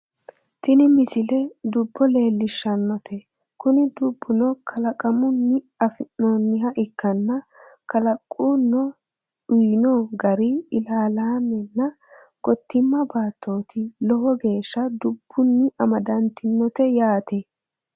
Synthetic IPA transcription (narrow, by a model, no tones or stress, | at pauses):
t̪ɪnɪmɪsɪlɛd̪ʊbːɔle̞ːlːɪʃːɐnːɔt̪ʰɛ | kʊnɪd̪ʊbːʊnɔkʰɐlɐkʼɐmʊnːɪ | ɐfɪnːonːɪɦɐʔɪkːɐnːɐkɐlɐkʼːuːnɔ | ʊjnoːɡɐɾɪɪlaːlaːmɛnːɐ | ɡɔt̪ːɪmːɐbaːt̪ʰːo̞ːt̪ʰɪlɔhɔɡe̞ːʃːɐd̪ʊb̥ːʊnːɪʔɐmɐd̪ɐnt̪ɪnːɔt̪ɛjaːt̪ɛ